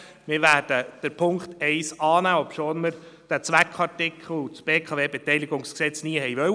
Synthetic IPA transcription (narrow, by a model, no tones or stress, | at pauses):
mɪːɾʋæːɾd̥əd̥əɾpʰʊŋkt̪ɛɪsɑːnæːɔpʃoːnməɾ | d̥æt͡sʋækʰɑtɪkχl̩t͡sb̥eːkʰɑːveːbɛtɛjlɪɡʊŋsksɛt͡sniːəɦɛjʋœw